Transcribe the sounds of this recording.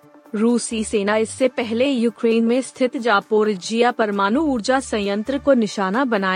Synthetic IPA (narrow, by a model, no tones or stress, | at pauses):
ɾuːsiseːnaɪsːepɛɦlejuːkɾeːnmẽst̪ʰɪt̪d͡ʒaːpoːɾd͡ʒiːjapɐɾmaːnuuːɾd͡ʒasɐ̃jə̃nt̪ɾəkonɪʃaːnabɐnaː